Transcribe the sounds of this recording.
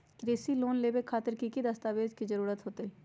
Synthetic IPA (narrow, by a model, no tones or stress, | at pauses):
kɾeːsiloːnleːbekʰːaːt̪əɾkikid̪ɐst̪aːʋeːd͡ʒkid͡ʒɐɾuːɾət̪ɦoːt̪eɦɛ